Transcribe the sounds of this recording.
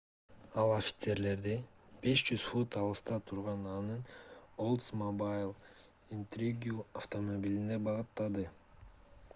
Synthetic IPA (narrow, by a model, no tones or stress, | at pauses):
ɑlˠofʲi̥t̪se̞ɾle̞ɾd̪ib̥e̞ʃd͡ʒyz̥fut̪ɑlˠɯst̪ɑt̪ʰuɾʁɑnɑnɯnolˠt̪smobajlˠ | int̪ɾʲiɡʲuaft̪o̞mobʲilʲine̞bɑʁɯt̪ːɑd̪ɯ